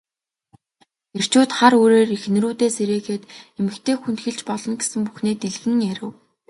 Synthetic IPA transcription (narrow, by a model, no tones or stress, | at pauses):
er̥t͡ɕuːt̪χaɾoːɾeːrix̆nɘ̆ruːt̪eːseɾeːɣeːt̪emɘ̆kt̪ʰeːxunt̪xĕɮt͡ɕpɔɮɞ̆nɡesɘ̆mpu̥xneːt̪iɮɣɘ̆ŋjæɾʲɘ̆w